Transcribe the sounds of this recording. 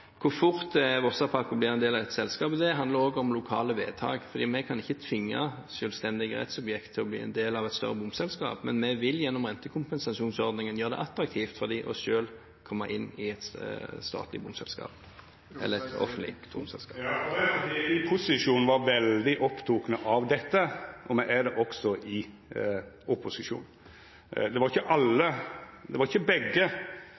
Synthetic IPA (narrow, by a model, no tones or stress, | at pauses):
kʰʊʁfʊʁt̪ʋɔsɑpʰɑkʊblɪːʁɛnd̪eːlɑʋɛt̪sɛlskɑːpd̪ɛɦɑnd̪ləɾoːɡəɔmlʊkʰɑːləʋḛːt̪ʰɑ̰ːɡfɔʁd̪iːmɛkʰɑnɪçːət̪ʰʋɪŋːɑ̰ʃøːlst̪ɛnd̪ɪɡəʁɛ̰t̪sɔbjɛkt̪ʰːɪlɔblḭːɛ̰nd̪eːlɑʋɛt̪st̪œ̰ʁəbʊmsɛlskɑ̰ːpmɛnmɛʋɪljɛnːɔmʁɛnt̪əkʰʊmpɛnsɑʃuːnsɔʁd̪nɪŋənjøːʁəd̪ɛ̰ʔɑt̪ɾɑkt̪ʰiːft̪fɔʁd̪iːʔɔ̰ʃøːl | kʰɔmːəɾʔɪnːɪɛt̪st̪ɑ̰ːt̪lɪ̰bʊmsɛ̰lskɑ̰ːp | ɛ̰lːəɛt̪ɔ̰fənt̪lɪ̰t̪ʰʊ̰msɛ̰lskɑːd̪ɪɪpʰʊsɪʂuːnn̩ʋɑɾʋɛld̪ɪʔɔpt̪ʰuːknəʔɑʋd̪ɛt̪ːəʔɔmɛʔæɾd̪ɛʔɔksɔʔɪ | ʔʊpʊsɪʂṵːn | d̪ɛʋɑɾɪçːəʔɑlːəd̪ɛʋɑɾɪçːəbɛɡːə